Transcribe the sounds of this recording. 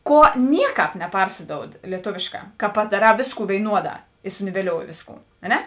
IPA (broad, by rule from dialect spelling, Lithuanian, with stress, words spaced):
ˈkuɔ ˈnʲiɛˌkɑːp nʲɛˈpɐrʲsʲɪdoːʊt lʲiɛˈtoːʋʲeːʃˌkɑː kɐ pɐdɐˈrɑː ˈʋʲeːsˌkuː ʋʲeːɪˈnuɔˌdɑː ɪ sʊnʲɪʋʲɛˈlʲoːʊjɪ ˈʋʲeːsˌkuː ɐ ˈnʲɛ